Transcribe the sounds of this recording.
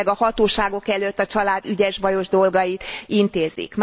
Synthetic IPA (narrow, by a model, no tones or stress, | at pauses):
ɡɒhɒt̪oːʃaːɡo̞kɛløt̪ːɒt͡ʃɒlaːd̪yɟɛʒbɒjo̞ʒd̪o̞lɡɒjit̪int̪eːzḭkm